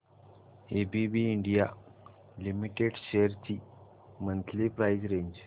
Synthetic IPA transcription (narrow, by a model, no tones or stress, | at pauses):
ebibiːɳɖija | limiʈeɖɕejəɾt͡ɕi | mənt̪ʰlipɾajd͡ʑɾeɲd͡ʑ